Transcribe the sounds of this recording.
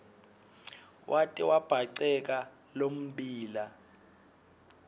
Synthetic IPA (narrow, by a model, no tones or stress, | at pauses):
wʔatʼiwab̥ʱaǀɛk̬a | lom̩ɓiːla